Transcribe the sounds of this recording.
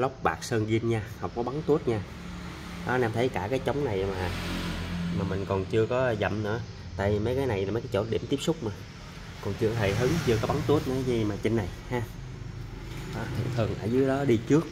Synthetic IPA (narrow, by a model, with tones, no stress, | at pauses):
lə˦˥wk͡p̚ɓa̰ː˨˩k̚səː˧nɣi˧ənɲaː˧hə˨˩wŋ͡mkɔ˨˦ɓa˨˦ŋt̪u˦˥ət̚ɲaː˧ | ɗɔ˨˦naː˧mt̪ʰə˨˦jkaː˧˩kaː˨˦jt͡ɕə˨˦wŋ͡mna˨˩jmaː˨˩ | maː˨˩mï˨˩ŋ̟kɔ˨˩nt͡ɕɨ˧əkɔ˨˦˧zə̰˧˨mnɨ̰˧˥ə | t̪a̰ː˧˨jvi˨˩mə˨˦jkaː˨˦jna˨˩jla˨˩mə˨˦jkaː˨˦jt͡ɕo̰˧˩ɗḭ˧˩əmt̪i˦˥əp̚sʊ˦˥k͡p̚maː˨˩ | kɔ˨˩nt͡ɕɨ˧əɦʰe˧˩jɦɨ˨˦ŋt͡ɕɨ˧əkɔ˨˦ɓa˨˦nt̪u˦˥ət̚nɨ̰˧˦zi˧˩maː˨˩t͡ɕï˧ŋna˨˩jhaː˧ | ʔɔ˨˩˦t̪ʰḭ˧˩ənt̪ʰɨ˨˩əŋʔə̰ː˧˩zɨː˨˦jɗɔ˨˦ɗi˧t͡ɕɨ˦˥ək̚